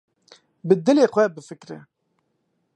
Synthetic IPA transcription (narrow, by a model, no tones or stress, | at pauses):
bəd̪ːəlɪqæbəfəkːɾḭ